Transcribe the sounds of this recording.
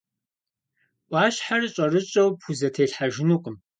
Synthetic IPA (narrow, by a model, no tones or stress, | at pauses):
ʔʷɑːɕħarɨɕʼɐrɨɕʼɐwpxuzɐtʰeːɬħaʒɪnuqʷʼʊm